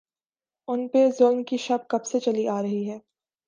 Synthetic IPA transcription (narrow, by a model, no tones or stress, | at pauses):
ʊnpezʊlnkiʃɐb̚kɐbset͡ʃɐliʔaːɾɐɦiɦɛː